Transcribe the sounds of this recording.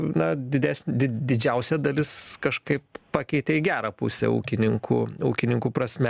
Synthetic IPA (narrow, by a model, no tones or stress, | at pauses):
nɐd̪ʲɪd̪ʲæːsʲnʲd̪ʲɪd̪ʲɪd͡ʒʲɛʊsʲɛd̪ɐlʲɪskɐʃkɐɪppɑːkʲɛɪt̪ʲɛɪɡʲæːɾɐpʊ̰sʲɛ̰ṵːkʲɪnʲɪŋkṵːuːkʲɪnʲɪŋkuːpɾɐsʲmʲɛ